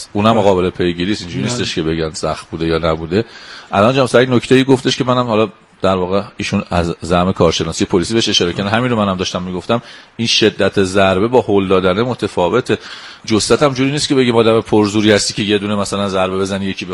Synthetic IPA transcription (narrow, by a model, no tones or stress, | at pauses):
uːnæmːoɣɒːbe̞lepʰe̞jɟiːɾiːst̪ind͡ʒuɾiːnist̪eʃkʰe̞be̞ɟænsæxt̪̚buːd̪e̞jɒːnæbuːd̪e̞ʔælɒnd͡ʒæmsæinoct̪eiːɡo̞ft̪ʰe̞ʃcemænæmhɒlɒ | d̪̥æɾvɒːɣeiːʃunæzːæhme̞kʰɒːɾʃe̞nɒːsijepʰolisiːbeeʃe̞ʃɒːɾecʰænæhæminɾomænæmd̪ɒːʃt̪æmːiːɡo̞ft̪æminʃe̞d̪ːæt̪ʰezæɾbe̞bɒːhold̪ɒːd̪ænemo̞t̪ʰefɒːve̞t̪ʰe̞ | d͡ʒosæt̪ʰæmd͡ʒuːɾiːniːst̪cʰe̞be̞ɟimɒːd̪æmepʰoɾzuːɾiːhæst̪iːcʰe̞je̞d̪uːnemæsælænzæɾbe̞be̞zænije̞cʰiːb